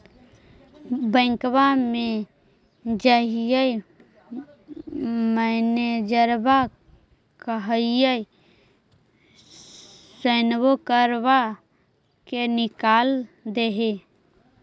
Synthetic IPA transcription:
bəɪŋkbame | d͡ʒəɦijəi | məned͡ʒəɾba | kəɦəɪjəi | sənbokəɾba | kenɪkaːld̪eɦe

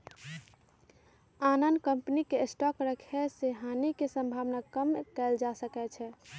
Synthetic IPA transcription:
anənd̪kəmpnikesʈɔkɾəkʰɛseɦanikesə̃mbʱaʋnakəmkɛld͡ʒasəkɛt͡ʃʰɛ

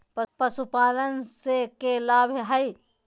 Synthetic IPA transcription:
ppəsupaːlənsekelaːbʱɦəi

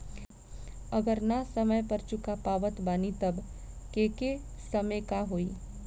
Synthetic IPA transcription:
ɐɡəɾnasɐməjpɐɾt͡ʃʊkapaːʋət̪baːnit̪ɐb | keːke | sɐmekaɦoːiː

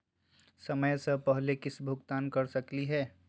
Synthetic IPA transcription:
sɐməjsəpɛɦlekɪsbʱʊɡt̪aːnkɐɾsɐkliɦɛː

